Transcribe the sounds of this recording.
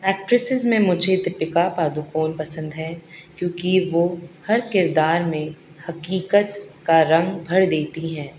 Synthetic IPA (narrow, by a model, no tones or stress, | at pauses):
ɛːk̚ʈɾɪsɪzmẽmʊd͡ʒʱet̪ɪpɪkapaːd̪ukoːnpɐsə̃nd̪ɦɛːkjõːkiʋohɐɾkɪɾd̪aːɾmẽ | hɐkiːkət̪kaɾɐ̃ŋɡbʱɐɽd̪eːt̪iɦɛ̃ː